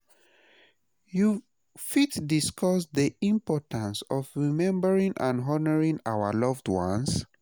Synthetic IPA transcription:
ju | fitdiskʰɔsðiĩmpɔtʰãnsɔvɹimɛ̃mbəɹĩŋʔã̰nɦɔnəɹĩŋawə̰lɔvdwɔ̰̃ns

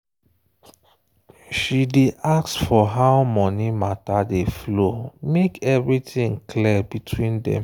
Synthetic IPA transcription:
ʃideʔaksfɔɦaʊmɔnimatadeflomekɛvɹitĩŋkʰlibitʰwĩndɛ̰̃m

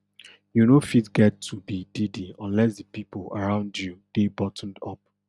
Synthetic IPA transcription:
junofitɡɛtʰːubididiɔ̃nlɛsdəpipəla̰ɹãʊ̃ndjud̥ebɔtn̩dɔp̚

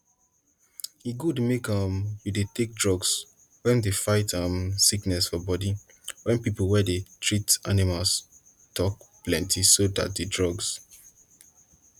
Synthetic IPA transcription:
eɡudmekʌ̃mjidetek̚dɹɔɡs | wɛ̃ndefaɪtʌ̃msiknɛsfɔbɔdi | wɛ̃npipolwɛdetʰɹitanimals | tʰɔk̚plɛ̃ntʰisoda̰t̚dedɹɔɡs

